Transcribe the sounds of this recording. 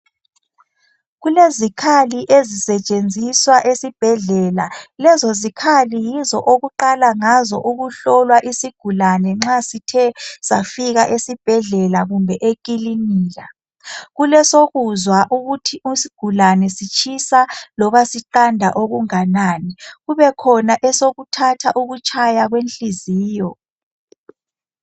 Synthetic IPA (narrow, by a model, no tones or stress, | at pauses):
ɣulezikʰaliʔezisɛt͡ʃʼend͡zʱiswaʔesib̥ʱɛɮɛlalɛzɔzikʰalijizɔʔoɣuǃalaŋazɔʔuɣuɬɔlwaʔisiɡ̥ʱulanɛŋ͡ǁasitʰɛsafiɣaʔesib̥ʱɛɮɛlaɣumbʱɛʔekʼiliniːɣa | ɣulɛsoɣuzwaʔuɣutʰiʔusi̥ɡ̥ʱulanɛsit͡ʃʰʼisalɔβasiǃandʱa̰ʔoɣuŋanaːniɣuβɛkʰɔnaʔɛsoɣutʰatʰaʔuɣut͡ʃʰʼajaɣwenɬiziːjɔ